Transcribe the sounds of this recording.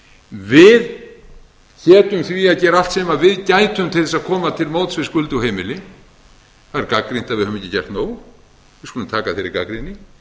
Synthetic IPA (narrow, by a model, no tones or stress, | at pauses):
vɪð | cʰɛːt̪ʏmθviaðcɛːɾaft̪sɛːmavɪðcajt̪ʏmt̪ʰɪlθɛsaðkʰɔːmat̪ʰɪlmoːwt̪svɪskʏlt̪uwhejmɪlɪ | θaðɪɾkakɾint̪aðvɪðhœvʏmecːɪcajr̥t̪noːw | vɪskulʏmt̪ʰaːkaθejɾɪ̰ɾka̰kɾinɪ